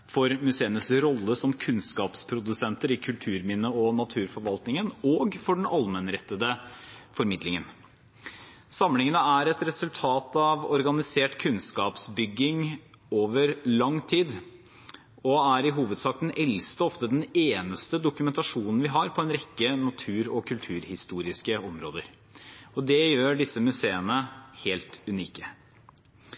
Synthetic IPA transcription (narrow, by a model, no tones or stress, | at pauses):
fɔɾmʉseːənəsɾɔlːəsɔmkʰʉnskɑːpspʰɾʊd̪ʉsɛnt̪əɾɪkʰʉlt̪ʰʉːɾmɪnːəɔnɑt̪ʰʉːɾfɔɾʋɑlt̪nɪŋənɔːɡfɔɖɛnɑlmənɾɛt̪ːəd̪əfɔɾmɪd̪lɪŋən | sɑmlɪŋənəæɾɛt̪ɾɛsʉlt̪ʰɑːt̪ɑʋɔɾɡɑnɪseːʈkʰʉnskɑːpsbʏɡːɪŋ | oːʋəɾlɑŋt̪ʰiːd̪ | ɔæɾɪɦuːʋəd̪sɑːk̚d̪ɛnʔɛlst̪əɔft̪əd̪ɛneːnəst̪əd̪ʊkʉmɛnt̪ɑʂuːnən̩ʋɪɦɑɾpʰɔɛnɾɛkːənɑt̪ʰʉːɾɔkʰʉlt̪ʰʉːɾhɪst̪uːɾɪskəɔmɾoːd̪əɾ | ɔd̪ɛjøːɖɪsːəmʉseːənəheːlt̪ʉniːkə